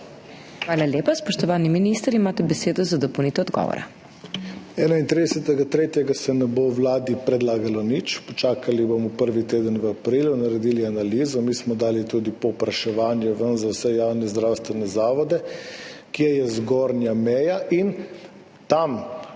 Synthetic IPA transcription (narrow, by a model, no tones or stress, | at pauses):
xʋaːlaljeːpaspɔʃt̪ɔʋaːniminist̪əɾimaːt̪ɛbɛseːd̪ɔzad̪ɔpowniːt̪ɛɔd̪ɡɔ̰ʋɔ̰ɾa̰ | ɛːnaint̪ɾid̪ɛsɛt̪ɛɡat̪ɾeːt̪jɛɡasɛnɛbowlaːd̪ipɾɛd̪laːɡalɔnit͡ʃpɔt͡ʃaːkalibomɔpəɾʋit̪eːd̪ənʋəapɾiːlunaɾɛd̪iːlianaliːzɔmiːsmɔd̪aːlit̪ud̪ipɔwpɾaʃɛʋaːnjɛʋənzawsɛjaːwnɛzd̪ɾaːwst̪ʋɛnɛzaːʋɔd̪ɛkiɛjɛzɡoɾnjamɛːjaʔin | t̪am